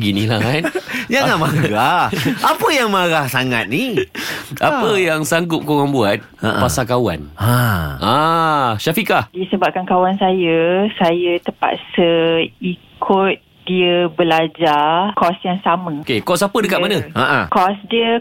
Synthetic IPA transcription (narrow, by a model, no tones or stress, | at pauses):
ɡinĩlahanjaŋamaɡaapəjaŋmaɾahsaŋa̰t̪̚ni | ʔapəjaŋsaŋɡʊp̚koɣaŋbuat̪̚a̰ʔpasakawa̰naʔaʃafikadisəbap̚kankawansajəsajət̪əpa̰t̪̚səikʰʊt̪̚ | diəbəlad͡ʒakɔsjaŋsamə̃kekɔsapədəkaʔmanəaʔakɔsdiə